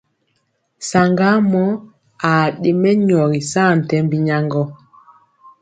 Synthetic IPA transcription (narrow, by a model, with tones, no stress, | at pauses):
sa˨ŋɡa˦mɔ˦ | a˨ɗe˨mɛ˦ɲɔ˨ɾi˨saː˦˨n̩˨tɛ˦mbi˦ɲa˦ŋɡɔ˦